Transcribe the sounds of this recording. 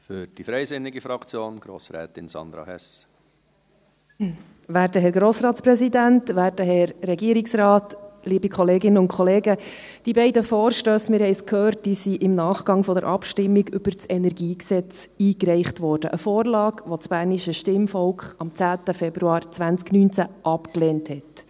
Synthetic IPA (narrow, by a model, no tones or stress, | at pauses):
fyɾd̥ifɾɛɪzɪnːɪɡifɾɑkt͡sjoːnɡ̥ɾo̰sɾɛ̰ːt̪ɪnsɑ̰nd̪ɾɑ̰hɛs | ʋæːɾdəɦɛɾɡɾoːsɾɑːt̪t͡spɾɛsidæntʋæːɾd̥əɦɛɾːɛɡiːəɾiksrɑːtliːbikχɔleːɡɪnəʊnkʰɔleːɡəd̥ibɛɪdəfɔːɾʃtøːsmɪɾhɛɪskʰhøːɾt̚d̥isiʔɪmnɑːχɡ̥ɑŋfɔdəɾʔɑpʃtɪmːiɡʏb̥əɾt͡sɛnɛɾɡiːksɛt͡siːkɾɛɪχtʋɔːrd̥əʔəfɔːrlɑːkʋɔt͡sb̥æːɾniʃəʃtɪmfɔlkχɑmt͡sæːtəfɛbɾuɑːɾt͡sʋænt͡sknyːnt͡sæʔɑpkleːnthɛt